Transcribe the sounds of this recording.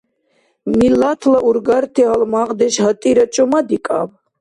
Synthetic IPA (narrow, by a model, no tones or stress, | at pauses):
milat̪ʰlaʔuɾɡaɾt̪ʰɛɦalmaʁd̪ɛʃhat̪ʼiɾat͡ʃʼɔmad̪ikʼa̰v